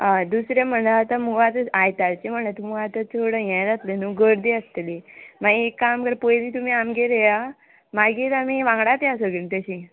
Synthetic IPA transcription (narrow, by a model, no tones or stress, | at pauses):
ɦãd̪usɾjam̤əɳləat̪amuɡat̪əajt̪aɾt͡ɕem̤əɳlət̪um̤uat̪ət̪ʰoɽəjɛ̃jd͡zat̪lenuɡəɾd̪iəst̪limaɡiekːamkəɾpojliːt̪umiːamɡeɾeja | maɡiːɾamiʋãŋɡɽat̪jasəɡint̪əɕi